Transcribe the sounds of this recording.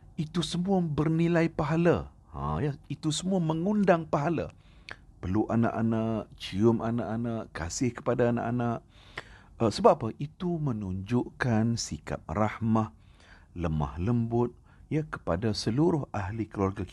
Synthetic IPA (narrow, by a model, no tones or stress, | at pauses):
it̪usəmuabərnilajpaɦala̰ | hã̰jait̪usəmũaməŋundaŋpaɦala̰ | pəluʔana̰ʔanaʔt͡ʃiʊmʔanaʔanaʔkasɪhkə̥padaːna̰ʔanaʔ | əsəbapəʔit̪umənuɲd͡ʒʊʔkansika̰p̚rahmah | ləma̰hləmbʊt̪̚ | jakə̥padasəluɾʊhahlikəluarɡaki